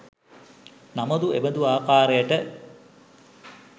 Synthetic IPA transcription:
naməd̪uḛbəd̪uaːkaːɾejəʈə

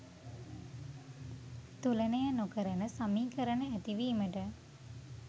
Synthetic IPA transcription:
t̪ulənəjənokəɾənəsamiːkəɾənəæt̪iʋiːməʈə

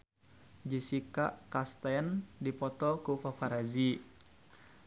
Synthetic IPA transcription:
d͡ʒisikaʔkast̪aəndipɔt̪ɔkupapaɾazi

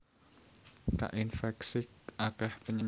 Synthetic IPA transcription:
ka̰ʔinfɛksɪk̚akɛhpəɲə

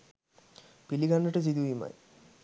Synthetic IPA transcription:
piliɡanːəʈəs̬id̪uima̰j

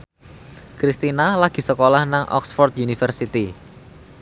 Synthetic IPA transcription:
kɾist̪inalaɡ̥i̤səkolahnaŋʔɔ̰ksfɔrt̪̚junifərsit̪i

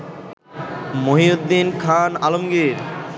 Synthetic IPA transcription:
moɦiod̪ːinkʰanalomɡiɾ

